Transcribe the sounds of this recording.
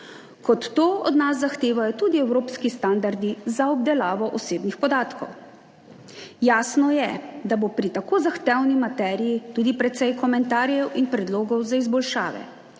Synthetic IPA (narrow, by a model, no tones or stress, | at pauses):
kɔt̪ːoːɔd̪nasːaxt̪eːʋajɔt̪uːd̪iɛwɾoːpskist̪and̪aɾd̪izaɔb̚d̪ɛlaːʋɔʔɔseːbnixpɔd̪aːt̪kɔ̰w | jaːsnɔjɛd̪abopɾit̪akoːzaxt̪ɛwnimat̪ɛːɾijit̪uːd̪ipɾɛt̪sɛjkɔmɛnt̪aːɾjɛwʔinpɾɛd̪loːɡɔwzaizbɔlʃa̰ːʋɛ̰